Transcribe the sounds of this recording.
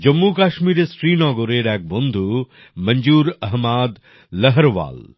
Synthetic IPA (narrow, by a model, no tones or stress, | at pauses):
d͡ʒɐmːukaːʃmiːɾesɾiːnɔːɡoɾeːɽɛːk̚bond̪ʱu | mɐɲd͡ʒuːɾɐɦmaːd̪ | ləɦɐɾʋa̰ːl